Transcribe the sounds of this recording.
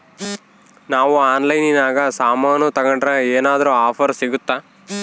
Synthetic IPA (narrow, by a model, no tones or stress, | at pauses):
naːʋuaːnlɐjninaːɡɐsaːmaːnut̪ɐɡɐɳɖɾɐeːnaːd̪ɐɾuaːpʰɐɾsiɡut̪ːaː